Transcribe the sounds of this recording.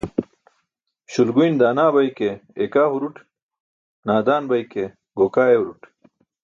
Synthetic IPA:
ɕulɡujnd̪aːnaːbɐjkeekaːɦuɾuʈ | naːd̪aːnbɐjke | ɡokaːeuɾuʈ

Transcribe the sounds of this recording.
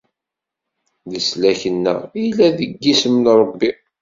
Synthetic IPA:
ðəslæçənːæ̰ilːæðəɡːismənɾˤəbːi

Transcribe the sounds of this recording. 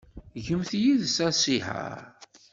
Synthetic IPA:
ʝəmθjiðsæsiħa̰ɾ

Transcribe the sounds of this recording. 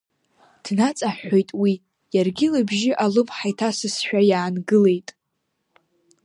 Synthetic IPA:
d̥nat͡sʼaħᶣʷo̞jtʼwi | jarɡʲɪlabʒɪʔalɨmħajtʰasɨsħᶣajaːnɡɨle̞jtʼ

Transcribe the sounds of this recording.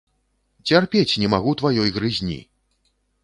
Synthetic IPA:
t͡sʲarpʲet͡sʲnʲɛmaɣut̪vajɔjɣɾɨzʲnʲḭ

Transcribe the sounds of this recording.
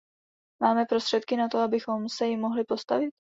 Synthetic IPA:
maːmɛpɾo̞st̪r̝̥ɛt̪kɪnat̪o̞abɪxo̞msɛjɪmːo̞ɦlɪpo̞st̪a̰vɪt̪̚

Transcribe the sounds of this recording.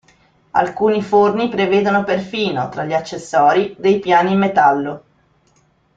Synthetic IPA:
a̰lkuːnifornipɾeveːd̪onoperfiːnot̪ɾaʎːiat͡ʃːesːɔːɾid̪ejpjaːniːmːet̪alːo

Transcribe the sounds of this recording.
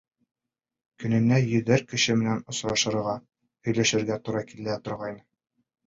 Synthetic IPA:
kɵ̆nɘ̆nːæjɵ̆ðɘɾkɘ̆ɕɘmɘ̆nænŏsɾɑʃɤ̆ɾʁɑ | hɵ̆jlæʃɘ̆ɾɡæt̪uɾɑkilæt̪ŏɾʁɑjnɤ

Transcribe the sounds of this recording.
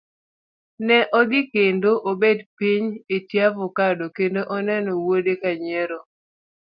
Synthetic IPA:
nɛʔɔɡɪkendoʔobedpiɲetjavʊkadokendoʔɔnɛnɔwodekaɲɛɾɔ

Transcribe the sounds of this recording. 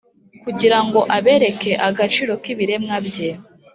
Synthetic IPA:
kuɟiɾaŋɡo̞ʔaβe̞ːɾe̞ke̞ʔaɡat͡ʃiːɾo̞kiβiɾe̞mŋabje

